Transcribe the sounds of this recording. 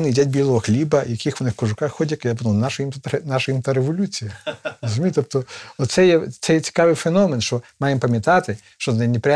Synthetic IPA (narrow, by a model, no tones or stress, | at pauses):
nɪidʲatʲbʲilˠɔɦɔxlʲibɐjɐkɪxʋɔnɪxkɔʒʊkɑxxɔdʲɐkjapd̪lˠnɑʃɐjimt̪t̪nɑʃɐjimt̪aɾeʋɔlʲut͡sʲijɐɾɔzʊmʲijt̪ɔp̚t̪ɔɔtt̪sɛjɛt̪sɛjɛt͡sʲi̥kɑʋɪjfenɔmenʃt͡ʃɔmɑjempɐmʲjɐt̪ɑt̪ɪ | ʃt͡ʃɔznɪnʲipɾʲa